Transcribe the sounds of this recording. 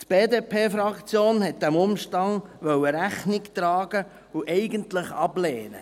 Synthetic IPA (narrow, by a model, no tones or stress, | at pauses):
t̪b̥eːdeːpʰeːfɾɑkt͡sjoːnhɛt̚d̥̪æmʊmʃtɑŋʋœwəɾæχnɪkt̪ɾɑːɡ̥ə | ʊʔɛɪɡəntlɪχɑbleːnə